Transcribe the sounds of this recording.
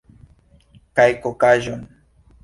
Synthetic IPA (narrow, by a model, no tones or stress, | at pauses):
kajkokaʒoŋ